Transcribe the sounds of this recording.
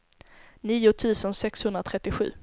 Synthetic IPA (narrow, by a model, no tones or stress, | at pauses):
niːʊt̪ʰʉ̟ːsənsɛkshɵnd̪ɾat̪ʰɾɛt̪ːɪɧʉ̟ː